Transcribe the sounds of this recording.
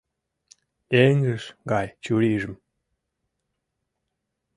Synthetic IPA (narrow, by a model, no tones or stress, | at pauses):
eŋɡɘʃɡɑjt͡ɕuɾiʒɘ̆m